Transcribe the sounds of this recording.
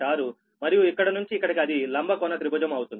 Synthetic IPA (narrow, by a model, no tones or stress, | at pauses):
aːɾu | mɐɾijuikːɐɽɐnuɲt͡ʃiːkːɐɽɐkiɐd̪ilɐmbʱɐkɔːnɐt̪ɾibɐd͡ʒɐmɐwut̪und̪i